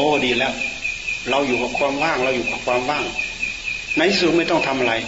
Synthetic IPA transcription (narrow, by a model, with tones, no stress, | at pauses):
oː˧˩diː˧˩lɛː˦˥˩wɾa˧wjuː˨˩kʰaː˨˩kʰwaː˧mwaː˥˩ŋɾa˧wjuː˨˩kʰaː˨˩kʰwaː˧mwaː˥˩ŋ | na˧jt̪ʰiː˦˥˩su˨˩t̚ma˥˩jt̪ɔ˥˩ŋt̪ʰa˧mʔa˧ɾa˧j